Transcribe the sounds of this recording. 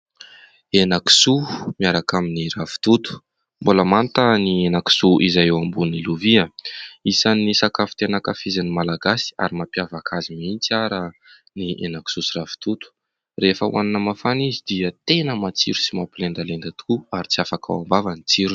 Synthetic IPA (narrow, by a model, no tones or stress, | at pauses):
enaki̥sumiaɾakaminirafi̥t̪ut̪u̥ | mbuləmant̪ənienaki̥suʔizajewambuniluviəisanisakafi̥t̪enakafizanimalaɡasi̥a̰ɾimapjavakʰazimint͡saɾə | niʔḛnaki̥susiɾafi̥t̪ut̪u̥ | refəwʔa̰nanəmafanizid̪iət̪enəmat͡siɾusimapilend̪alend̪at̪u̥kuaɾit͡siafakʰa̰wambavanit͡siɾu̥